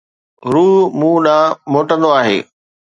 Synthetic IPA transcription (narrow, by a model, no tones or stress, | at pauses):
ɾuːɦmũːɗamoːʈə̃nd̪oaːɦḛː